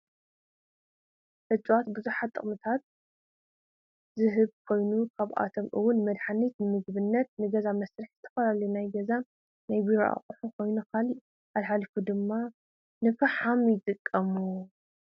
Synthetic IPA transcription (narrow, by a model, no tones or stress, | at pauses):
ʔɨt͡ʃʼuwat̪bɨzuħat̪ʼːɨ̰χʼmɨt̪ʰat̪̚ | zɨɦɨβkʰo̞jnukʰaβʔa̰t̪ʰomʔɨwʊnmɐd̪ħanit̪nɨmɨɡbɨnːɐt̪̚nɨɡɐzamɐsɾɨħzɨt̪ʰɐ̥fɐlalɐjunajɡɐza | najbiɾoʔa̰χʼuħukʰo̞jnukʰali | ʔalħalifud̪ɨmːa | nɨfɐħamjɪt̪ʼɨkʼːɐmu